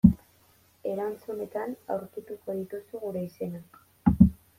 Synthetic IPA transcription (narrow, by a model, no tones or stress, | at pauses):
e̞ɾant͡sune̞t̪ana̰wɾkit̪uko̞ðit̪usuɣuɾe̞ise̞na